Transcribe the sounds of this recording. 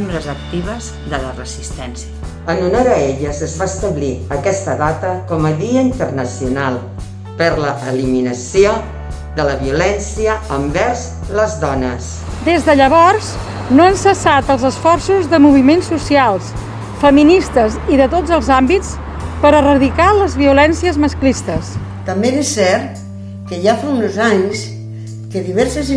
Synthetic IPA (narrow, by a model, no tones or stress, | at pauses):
mbɾəzək̚t̪iβ̞əz | ðələrəzist̪ɛnsiə | ənunoɾəeʎəzəzβaəst̪əβliəkɛst̪əðat̪əkɔməðiəint̪ərnəsiunalˠ | pəɾləʔəliminəsio | d̪ələβiulɛnsiəəmbɛrz | ləzðɔnəs | d̪ezðəʎəβɔrz | noənsəsat̪əlˠzəsfɔrsuzðəmuβ̞imensːusialˠs | fəminist̪əziðət̪od͡zəlˠzambit͡s | pəɾərəðikaləzβiulɛnsiəzməsklist̪əs | t̪əmbenesːɛɾt̪ | kəʒafaunozaɲs | kəðiβɛɾsəz